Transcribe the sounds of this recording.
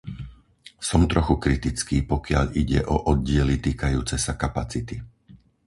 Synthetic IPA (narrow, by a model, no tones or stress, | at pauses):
sɔmt̪ɾɔxukɾit̪it͡skiːpɔkɪaʎiɟɛ̰ʔɔʔɔd̪̚ɟɪɛlit̪iːkajuːt͡sɛsakapat͡sit̪i